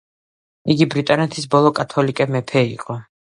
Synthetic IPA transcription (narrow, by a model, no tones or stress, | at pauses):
iɡibɾit̪ʼanɛt̪ʰisbɔlˠɔkʼat̪ʰɔlikʼɛmɛpʰɛiqʼɔ